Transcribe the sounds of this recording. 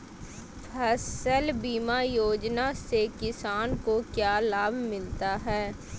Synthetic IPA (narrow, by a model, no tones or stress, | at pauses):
pʰɐsəlbiːmajoːd͡ʒnasekɪsaːnkokjaːlaːbʱmɪlt̪aɦɛː